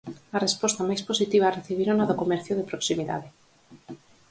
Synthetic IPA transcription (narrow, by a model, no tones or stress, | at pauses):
arespɔst̪amajsposit̪iβ̞areθiβ̞iɾonaðokomɛɾθjʊðepɾoksimiða̰ðe